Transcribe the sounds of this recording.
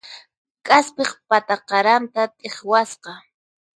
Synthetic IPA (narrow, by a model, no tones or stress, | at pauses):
kʼaspeχpat̪aqɑɾant̪at̪ʼeχwasqɑ